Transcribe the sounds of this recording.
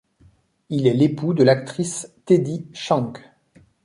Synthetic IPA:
ilɛlepud̪əlak̚t̪χist̪ed̪iʃɑ̃k

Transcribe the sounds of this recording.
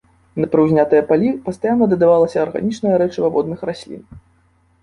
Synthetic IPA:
nɐpɾɨwzʲnʲat̪ɨjɛpalʲipɐst̪ajanːɐd̪ɐd̪avalˠɐsʲɐːrɣa̰nʲit͡ʂnɐjɐɾɛt͡ʂɨvavɔd̪̚nɨxrasʲlʲḭn

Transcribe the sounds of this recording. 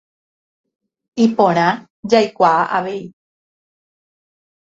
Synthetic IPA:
ipõɾ̃ã | d͡ʒajkʷaaʔaʋei

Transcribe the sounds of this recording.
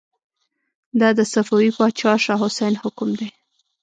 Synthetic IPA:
d̪ɑd̪əsafawipɑt͡ʃɑʃɑɦʊsajnhʊkʊmd̪e

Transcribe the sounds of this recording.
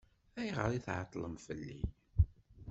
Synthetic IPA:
æjʁə̰ɾˤiθʕɑt̪ˤːləmfəlːḭ

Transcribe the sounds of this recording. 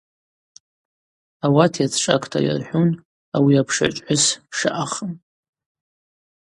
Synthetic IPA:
awatʰjat͡sʰʈ͡ʂʼa̰kʰʼtʰa̰ja̰rħʷᶣun | awiapʰʂa̰ʈ͡ʂʼħʊsʂa̰ʔaχən

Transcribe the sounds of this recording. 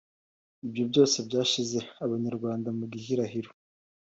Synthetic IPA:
ibjobɟo̞ːse̞bɟaːʃize̞aβaɲaɾɡwaːndamuɡihiɾaɦiɾo

